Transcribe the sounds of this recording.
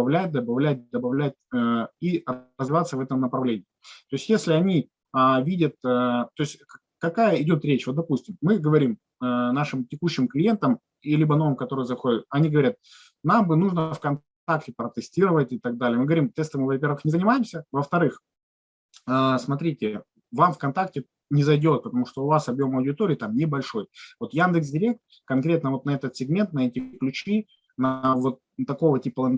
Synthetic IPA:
ɐvlʲæt̚ʲd̪əbɐvlʲæt̚ʲd̪əbɐvlʲæt̚ʲəiəzvʲɪvat̪səvɛt̪əmnəpɾɐvlʲenʲɪːtt̪o̞ɪsʲtʲjesʲlʲɪɐnʲi | əvʲidʲət̪̚ːt̪o̞ɪsʲtʲ | kɐkajəɪdʲo̞t̪ɾʲet͡ɕvo̞t̪̚d̪ɐpusʲtʲɪmːɨɡəvɐɾʲim | ənaʂɨmtʲɪkuɕːɪmklʲɪje̞nt̪əm | ilʲibəno̞vɨmkɐt̪o̞ɾɨjəzɐxodʲɪt̪̚ɐnʲiɡəvɐɾʲat̪̚ | nambɨnuʐnəfkɐnt | aktʲɪpɾət̪ɨsʲtʲiɾəvətʲɪt̪ɐɡ̚d̪alʲɪjəmɨɡəvɐɾʲimt̪ɛst̪ɨmɨvɐpʲe̞rɾvɨxnʲɪzənʲɪmajɪmsʲəvəft̪ɐɾɨx | əsmɐt̪ɾʲitʲɪ | vamfkɐnt̪ak̚tʲɪ | nʲɪzɐjdʲo̞t̪̚pət̪ɐmuʂt̪o̞ʊvasɐbjo̞mɐwdʲɪt̪o̞ɾʲɪːt̪amnʲɪbɐlʲʂo̞jvo̞t̪jand̪ɨksdʲɪɾʲe̞k̚t̪ | kɐnkɾʲe̞t̪nəvo̞t̪nɐɛt̪ət̪sʲɪɡmʲe̞nt̪nɐɛtʲɪklʲʉt͡ɕi | nəəvo̞t̪̚ːɐko̞vətʲipəlˠɐn

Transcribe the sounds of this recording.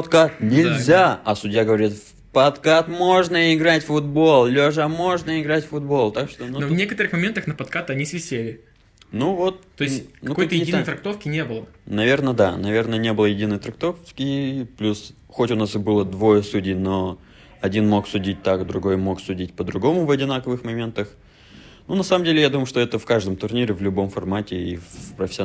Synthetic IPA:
ɐt̪kat̪nʲɪlʲzʲaɐsʊdʲjaɡəvɐɾʲit̪ | pɐt̪kat̪mo̞ʐnəɪɡɾatʲfʊd̪̚bo̞lˠlʲoʐamo̞ʐnəɪɡɾatʲfʊd̪̚bo̞lˠt̪akʂt̪onunovnʲekət̪əɾɨxmɐmʲent̪əxnəpɐt̪kat̪ɐnʲisvʲɪsʲelʲɪ | nuvot̪̚t̪ojɪsʲknɐukjt̪əjɪdinjjt̪ɾɐkt̪ofkʲɪnʲebɨlˠənɐvʲe̞rnəd̪a̰nɐvʲe̞rnənʲe̞bɨlˠəjɪdʲinːəjt̪ɾɐk̚t̪o̞fkʲɪplʲus | xotʲʊnasɨbɨlˠəd̪vojəsudʲɪjno̞ | ɐdʲinmo̞ksʊdʲit̚ʲt̪akd̪ɾʊɡo̞jmo̞ksʊdʲitʲpəd̪ɾʊɡo̞mʊvɐdʲɪnakəvɨxmɐmʲe̞nt̪əx | nunɐsaməmdʲelʲɪjad̪uməjʊʂt̪o̞ɛt̪əfkaʐd̪əmt̪ʊrnʲiɾʲɪvlʲʊbo̞mfɐrmatʲɪifpɾəfʲɪsʲɪ

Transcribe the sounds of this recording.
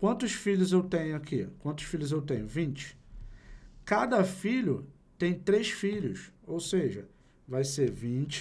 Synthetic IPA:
kwɐ̃nt̪ʊsfiʎʊzewt̪ẽɲʊakʰikwɐ̃nt̪ʊ̥ʃfiʎʊzewt̪ẽɲ̃ʊvĩt͡ʃɪ̥ | kad̪ɐfiʎʊ | t̪ẽj̃t̪ɾeʃfiʎʊsowseʒɐ | vajseɾvĩt͡ʃɪ̥

